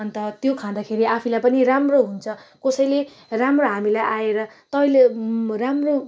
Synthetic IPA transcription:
ʌnt̪ʌt̪jokʰãd̪akʰeɾiapʰilajpʌniramroɦunt͡sʰʌkʌsʌjle | ramroɦamilajʔaeɾʌt̪ʌʌleramro

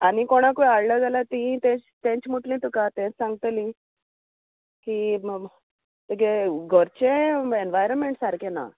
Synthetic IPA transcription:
anikoɽ̃akuaɽləd͡zalat̪ĩt̪ẽt͡ɕt̪ẽt͡ɕmuʈlĩt̪ukat̪ɛ̃t͡ssãŋɡt̪lĩ | ki | t̪əkeɡʱəɾt͡ɕeenʋajɾənmeɳʈsaɾkena̰

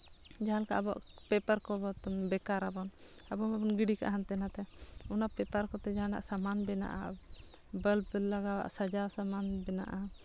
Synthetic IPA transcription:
d͡ʒaɦankaabɔ̰ʔ | pɛpaɾkɔbɔt̪bɛkaɾabɔnabɔmabɔnɡiɖika̰ʔaɦant̪ɛnat̪ɛunaʔpɛpəɾkɔt̪ɛd͡ʒaana̰ʔsamanbɛna̰ʔa̰ | bəlbəlːaɡawa̰ʔsad͡ʒawsamanbɛna̰ʔa

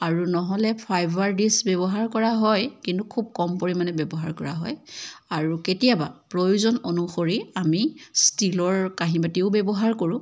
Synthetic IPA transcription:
aɹunɔɦɔlɛpʰajbʱwaɹdisbɛbɔɦaɹkɔɹaɦɔjkintukʰub̚kɔmpoɹimanɛbɛbɔɦaɹkɔɹa̰ɦɔ̰jaɹuketijabapɹojuzɔnonuxoɹiamistilɔɹkaɦimatiʊbɛbɔɦaɹkoɹʊ̃

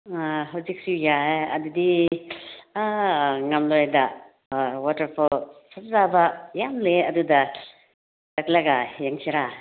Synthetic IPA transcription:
ɦawzik̚sujajɐ̰dudi | ŋamlojda | wɔtɐɾpʰɔsap̚zabajamleɐduda | laklaɡajaŋsʰiɾa

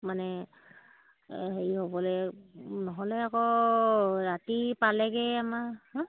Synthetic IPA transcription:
manɛ | ɦeihobɔlɛnɔɦɔlɛakɔ | ɹatipalɛɡɛamahɔ̃

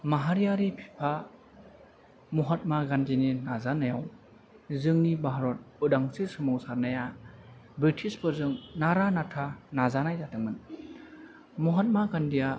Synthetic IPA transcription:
maɦaɾijaɾipʰi̥pʰa | mɔɦat̚maɡanzininazanajaw | zɯŋnibaɦaɾɔt̚udaŋsisɯmɔwsaɾnaja | bɾitʰispɯɾzɯŋnaɾanatʰanazanajtatɯŋmɯn | muɦat̚maɡandija

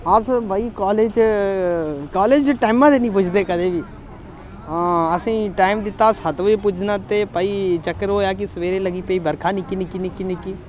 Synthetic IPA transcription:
əsbaiːkaːleːd͡ʒ | kaːleːd͡ʒʈaːɪmãːt̪eːnĩːp̬ʊt͡ʃʰd̪eːkəd̪eːʋiː | ãːəsĩːʈaːɪmd̪ɪt̪ːaːsət̪ʋep̬ʊt͡ʃʰnãːt̪eːpəiːt͡ʃəkːəɾɦoːjaːk̬ɪsʋeːɾeːləɡiːpəiːbəɾkʰaːnɪkːinɪkinɪkːinɪkiː

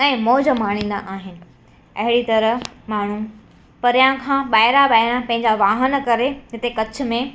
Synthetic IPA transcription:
ɛ̃ːmoːd͡ʑəmaːɽ̃ĩːn̆d̪a̰ʔaːɦɪnɪ̆ | ɐɦɪɽit̪ɐɾəɦmaːɳ̤u | pɐɾijãkʰãːɓaːɪɾaɓaːɪɾãpɐ̃ɦɪ̃ɲd͡ʑaʋaːɦənkɐɾed͡ʑɪt̪ekɐt͡ɕʰʊ̆mẽ

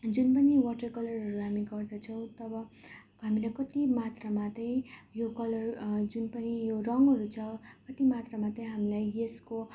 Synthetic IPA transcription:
d͡zunpʌniwʌʈʌkʌlʌrɦʌɾuɦamiɡʌrd̪ʌt͡sʰʌw̃t̪ʌbʌ | ɦamilajkʌt̪imat̪ramat̪ʌjjokʌlʌrd͡zunpʌnijorʌŋɡɦʌɾut͡sʰʌkʌt̪imat̪ramat̪ʌj̃ɦamilajesko

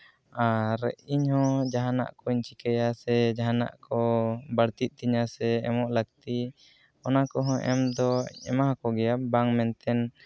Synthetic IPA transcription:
aɾɛ̰iɲhɔ̃d͡ʒaɦana̰ʔkɔiɲt͡ʃikajasɛd͡ʒaɦana̰ʔkɔbaɽt̪it̪̚ˀt̪iɲasɛɛmɔʔlək̚t̪i | ɔnakɔɦɔ̃ʔɛ̰md̪ɔɛ̰maɦakɔɡɛjabaŋmɛnt̪ɛn

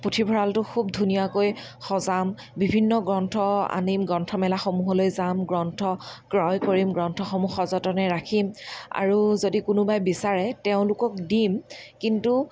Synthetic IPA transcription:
putʰibʱɔɹaltʊxʰub̚dʱunijakojxɔzam | bibʱinːɔɡɹɔntʰɔa̰nimɡɔntʰɔmɛlaxomuɦɔlojzamɡɹɔntʰɔkɹɔjkoɹimɡɹɔntʰɔxɔmuxɔzɔtɔnɛɹakʰima̰ɹuzodikʊnʊbajbisaɹɛteʊ̃lʊkɔkdimkintu

